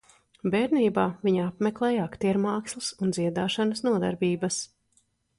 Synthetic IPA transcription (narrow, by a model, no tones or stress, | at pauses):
bɛːɾniːbaːviɲapmɛklˠɛːjakt̪iɛɾmɑːkslˠisund̪ziɛd̪aːʃanəsnuɔd̪a̰ɾbʲiːbɐs